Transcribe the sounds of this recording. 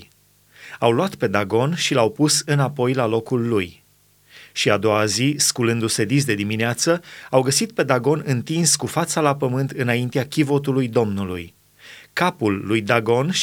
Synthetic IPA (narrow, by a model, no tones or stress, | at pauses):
awlwat̪pe̞d̪aɡo̞nʃilawpusɨnapo̞jlalo̞kulːuj | ʃiad̪o̞waziskulɨnd̪use̞d̪is̬d̪e̞d̪imineat̪səawɡəsit̪̚pe̞d̪aɡo̞nɨnt̪inskufat̪salapəmɨnt̪ɨnaint̪eakʲivot̪ulujd̪o̞mnulṵj | kapulːujd̪aɡo̞n